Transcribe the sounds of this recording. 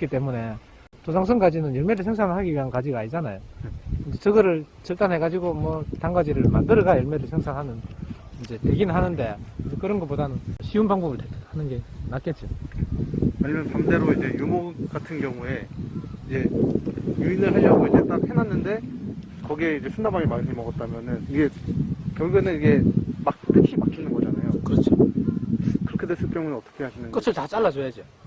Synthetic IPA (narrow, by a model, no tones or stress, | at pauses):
k͈it͈e̞mune̞ | tosʰaŋs̬ʰɯŋk͈ad͡ʑinɯnjʌɭme̞ɾɯɭsʰe̞ŋsʰaŋɯɭɦaɡiɥiɦankad͡ʑiɡaɲid͡ʑana̰jokɯnd͡ʑet͡ɕʌɡʌɾɯɭ | t͡ɕʌɭt͈anɦe̞ɡad͡ʑiɡomwʌtaŋɡad͡ʑiɾɯɭmandɯɾʌɡajʌɭme̞ɾɯɭsʰeŋsʰaŋɦanɯnind͡ʑe̞te̞ɡinɯɭɦanɯnde̞nd͡ʑekɯɾʌnɡʌp͈odanɯnʌɕʰiunpaŋbʌbɯɭthanɯnɡe̞nak͈e̞t̚t͡ɕ͈i | aɲimjʌnpʰamde̞ɾoid͡ʑe̞jumoɡatʰɯnɡjʌŋue̞id͡ʑe̞ | juinɯɭɦaʎjʌɦaɡoid͡ʑe̞t͈ak̚henanːɯnde̞ | kʌɡieid͡ʑe̞sʰundamaŋimaɲimʌɡʌt̚t͈amjʌnɯniɡe̞kjʌŋuɡenɯniɡe̞mak̚t͈ɯkʰiput͡ɕʰinɯnɡʌd͡ʑanajokɯɾʌt͡ɕʰo | kɯɾʌkʰedes͈ʰɯɭk͈jʌŋunɯnʌt͈ʌ̥kʰe̞ɦaɕʰinɯnk͈ɯsʰɯɭtat͡ɕ͈aɭːad͡ʑojad͡ʑio